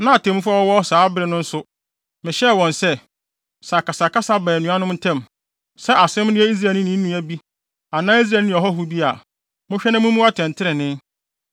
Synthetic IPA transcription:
nã˦a˨tʰẽ˨mũ˦fu˦a˦wɔ˦wɔ˦saː˨˦bɪ˦ɾɪ˨˦nʊ̃˦n̩˦sʊ˦ | mɪ̃˨ɕɛ˦˨wɔ̃˨nsɛ˦ | sa˨kʰa˨sa˨ka˦sa˦bɛː˨nũ˨˦a˦nʊ̃˦mn̩˦tʰɛ̃˦m | sɛ˦ʔa˨sɪ̃˦mnɪ̃˦ɛ˦i˦s̬ɾaː˨nɪ̃˦nĩ˦n̩˦nũ˦æ˨bi˦ | a˨nãː˦i˦s̬ɾa˨nɪ̃˨ɔ˨ɦɔ˦ɦu˦bi˦a˨ | mʊ̃˦ɕᶣɛ˦nã˦mʊ̃˦mũ˦a˦tʰɛ̃˨n˨tʰɪ˦ɾɪ̃˨nɪ̃˦n

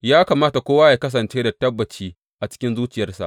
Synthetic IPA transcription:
jaː˦kaː˨maː˦ta˨kʷoː˦waː˦jaː˨kɐ˦s̬ɐ˨nt͡ʃeː˦da˨tɐ˦bːɐ˨t͡ʃiː˦ | ʔa˨t͡ʃɪ̥˦kʲɪ˦nzuː˦t͡ʃɪ˨jɐ˦rsa̰˨

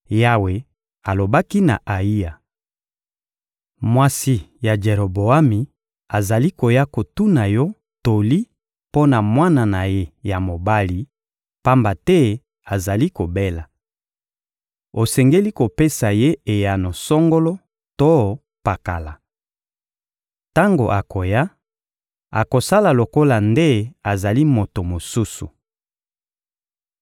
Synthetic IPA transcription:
ja˦we˨ | a˨lo˨ba˦ki˦na̰˨ʔa˨i˦ja˨ | mwa˦si˦ja˨d͡ʒe˨ʁo˨bo˨a˦mi˨ | a˨za˨li˦ko˨ja˦ko˨tu˦na˨jɔ˦ | to˨li˦ | po˦na˨mwa˦na˨na˨je˦ja˨mo˨ba˦li˨˦ | pa˦mba˨tɛ˦ | a˨za˨li˦ko˨be˦la˨ | o˨sɛ˨ŋɡe˦li˦ko˨pe˦sa˨je˦e˨ja˨no˨sɔ˦ŋɡo˦lɔ˦ | to˦ | pa˨ka̰˨la˨ | ta˦ŋɡo˨ʔa˨ko˨ja˦ | a̰˨ko˨sa˦la˨lo˨ko˦la˨nde˦a˨za˨li˦mo˨to˨mo˨su˦su˨

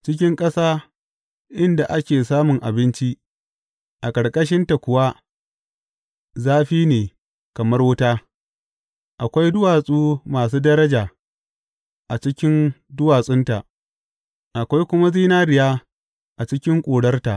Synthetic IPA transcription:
t͡ʃɪ˦k̬ʲɪ˦ŋkʼɐ˦saː˦ | ʔɪ˦nda˨ʔa˦kʲeː˨saː˦mʊ˨ŋʔa˨bɪ˦nt͡ʃi˦ | ʔa˨kʼɐ˨ɽkʼɐ˦ʃ̬ɪ˦nta˨kʷʊ˨wa˦ | zaː˦ɸiː˦neː˨ | kɐ˨mɐ˦rwʊ˦taː˦ | ʔa˨kʷa˦jdʊ˦waː˨sʼuː˦maː˨s̬uː˦dɐ˦ɾɐ˦d͡ʒaː˨ | ʔa˨t͡ʃɪ˦kʲɪ˦ndʊ˦waː˨sʼɪ˦nta˨ | ʔa˨kʷa˦jkʷʊ˦ma˦ziː˦naː˦ɽɪ˨jaː˦ | ʔa˨t͡ʃɪ˦kʲɪ˦ŋkʷʼoː˨ɽɐ˦rta˨ʔ

